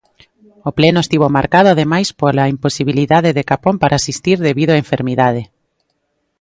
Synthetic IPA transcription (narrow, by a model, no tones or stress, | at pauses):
oplenʊest̪iβomaɾkað̞ʊaðemajspolaimposiβiliðaðeðekapompaɾʔaːsist̪iɾðeβiðʊaeɱfeɾmiðað̞e